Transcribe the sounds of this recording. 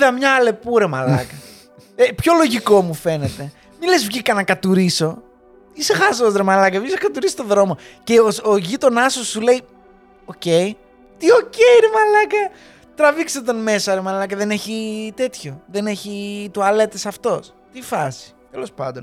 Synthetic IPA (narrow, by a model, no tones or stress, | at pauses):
ðɐmɲɐle̞puɾe̞ma̰lɐ̰kɐ | epço̞lo̞ʝiko̞mufe̞ne̞t̪e̞ | mile̞zvʝikɐnɐkɐt̪uɾiso̞ | isexɐsozɾemalɐkɐisɐkɐt̪uɾist̪oðɾo̞moceooʝit̪o̞nɐsosːule̞i | o̞ce̞i | t̪io̞ce̞iɾe̞mɐlɐkɐ | t̪ɾɐvikset̪onme̞sɐɾe̞malɐkɐðe̞ne̞çit̪e̞t̪ço̞ðe̞ne̞çit̪uɐlet̪esɐft̪o̞s | t̪ifɐsi̥t̪e̞lo̞spɐnd̪o̞n